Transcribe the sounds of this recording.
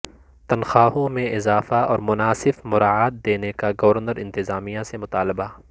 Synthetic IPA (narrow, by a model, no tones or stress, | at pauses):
t̪ɐnxaːɦõmẽʔɪzaːfaɔːɾmʊnaːsɪfmʊɾaːaːt̪̚d̪eːnekaɡɐʋəɾnəɾɪ̃nt̪ɪzaːmijãsemʊt̪aːlɪba